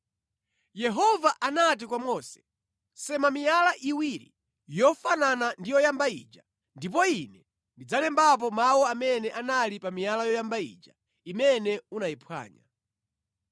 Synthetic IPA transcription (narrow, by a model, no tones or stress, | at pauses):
jɛɦɔvaʔanat̬ikwamɔsɛ̥ | sɛmamijalaʔiwiɾḭ | jɔfananandijɔjambaḭd͡ʒa | ndip̬ɔinɛ | ndid͡zalɛmbap̬ɔmawɔamɛnɛʔanalipamijalajɔjambaḭd͡ʒa | imɛnɛunaipʰwa̰ːɲa̰